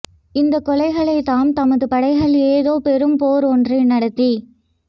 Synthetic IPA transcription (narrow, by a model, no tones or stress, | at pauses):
ɪnd̪ɐkːɔlɐɪɣɐɭɐɪt̪ːaːmt̪ɐmɐðɯpɐɽɐɪɣɐɭeːðoːpɛɾɯmpoːɾɔndrinɐɽɐt̪ːi